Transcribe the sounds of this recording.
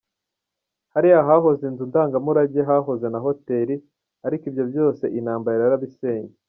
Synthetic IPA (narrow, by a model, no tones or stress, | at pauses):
haɾihaɦaɦo̞zenzundaːŋɡamuɾaɟe̞ɦaɦo̞ze̞naɦo̞te̞ɾi | aɾikibjo̞bjo̞ːse̞ʔinaːmbaɾiɾaɾaβise̞ːɲe